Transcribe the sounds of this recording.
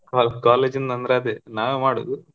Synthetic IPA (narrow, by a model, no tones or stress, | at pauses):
kakaːleːd͡ʒind̪ɐnd̪ɾeɐd̪enaːʋeːmaːɽo̰ːd̪u